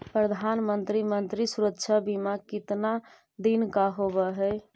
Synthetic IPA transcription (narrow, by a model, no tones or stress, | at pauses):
pɾəd̪ʱanmənt̪ɾimənt̪ɾisuɾəkt͡ʃʰəbimakit̪na | d̪inkaɦobɛɦɛ